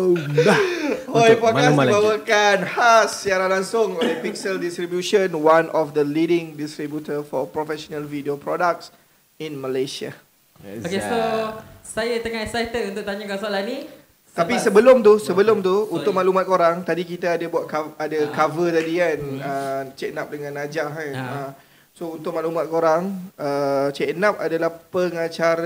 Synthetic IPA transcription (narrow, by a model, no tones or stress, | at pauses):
hojpɔt̚kassbawəkanhasːiaɾanlaŋsʊŋolehpik̚səldist̪ɾibjuʃənwanʔɔfd̪əlidɪ̃ŋdist̪ɾibjut̪əfɔpɾɔfɛsonalvidiopɾɔdak̚s | inməlajsia̰ | kesosajat̪əŋaɛsajt̪ət̪unt̪ʊʔ̚t̪aɲakansoalani | t̪apisəbəlʊmt̪̬usəbəlʊmt̪uunt̪ʊk̚maʔlumat̪̚koɾaŋt̪adikit̪aːdabuat̪̚kaadakavət̪adikanət͡ʃɛk̚nap̚dəŋãnːad͡ʒaɦanə | sount̪ʊk̚mãʔlumãt̪̚koɾaŋət͡ʃɛknap̚adalahpəŋãt͡ʃaɾ